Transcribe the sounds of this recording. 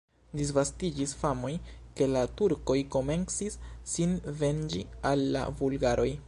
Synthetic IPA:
dis̬vastid͡ʒisfamo̞jke̞latuɾko̞jko̞me̞nsisːinve̞nd͡ʒialːa̰vulɡaɾo̞j

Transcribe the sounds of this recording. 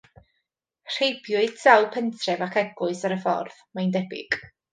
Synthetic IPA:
r̥ejbjʊɨdsawpʰəntʰrɛvakʰɛɡʊɨsaɾəfɔ̰rðmajndɛbɪ̰ɡ̥

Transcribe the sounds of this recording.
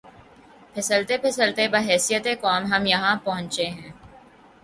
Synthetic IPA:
pʰɪsəlt̪epʰɪsəlt̪ebɐɦɛːsijət̪ekɔːmɦɐmjɐɦãpɐɦʊ̃ɲt͡ʃeɦɛ̃ː

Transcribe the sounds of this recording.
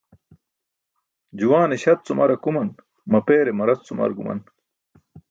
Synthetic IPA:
d͡ʑuwaːneɕɐt̪̚t͡sumʔɐ̰ɾɐkumɐn | mɐpeːɾemɐɾɐst͡sumɐ̰ɾɡumɐ̰n

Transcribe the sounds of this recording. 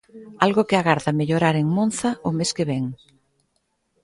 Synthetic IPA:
alɣʊkɪaɣaɾðɐmeʎoɾaɾeŋmõnθɐʊmeskeβɛŋ

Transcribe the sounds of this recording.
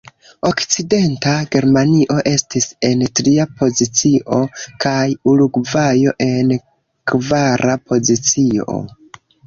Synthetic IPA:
o̞kt͡side̞ntaɡe̞ɾmaniʔo̞ʔe̞stise̞ntɾiapʰo̞zit͡siʔo̞kʰajuluɡvajo̞ʔe̞n | kvaɾʔapo̞zit͡sio̞̰

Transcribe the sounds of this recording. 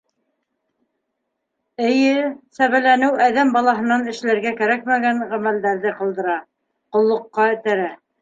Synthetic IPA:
ɘ̆jɘsæβælænɘwæðæmbɑlˠɑɦɤ̆nɑnɘ̆ʃlæɾɡækæɾæk̚mæɡæɴʁæmæld̪æɾðɘqɑ̆lˠd̪ɤ̆ɾɑ | qŏlˠːŏqːɑɘ̆t̪æɾæ

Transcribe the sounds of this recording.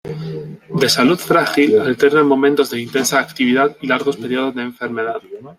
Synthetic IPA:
d̪e̞saluðfɾaxilalt̪e̞ɾnemõ̞mẽnt̪o̞zðe̞int̪e̞nsaːkt̪iβ̞iðaðilaɾɣo̞speɾjoð̞o̞zðe̞ːɱfe̞ɾme̞ðað

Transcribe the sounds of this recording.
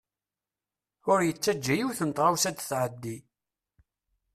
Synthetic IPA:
ʊɾjət͡sːæd͡ʒːæjiwθənt̪ˤʁawsæd̪θʕəd̪ːi

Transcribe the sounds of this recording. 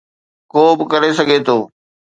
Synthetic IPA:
koːbɪkɐɾesɐɡʱet̪ʰoː

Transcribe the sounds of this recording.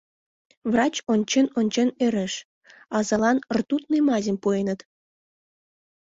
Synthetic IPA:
βrɑt͡ɕonʲt͡ɕenonʲt͡ɕeneɾeʃ | ɑzɑlɑnrt̪ut̪nemɑzʲəmpuenət̪

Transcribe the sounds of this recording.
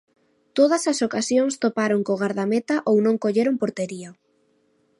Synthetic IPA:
t̪oð̞ɐsɐsokasjoŋst̪opaɾoŋkoɣaɾðamet̪aʔownõŋkoʎeɾoŋpoɾt̪eɾio

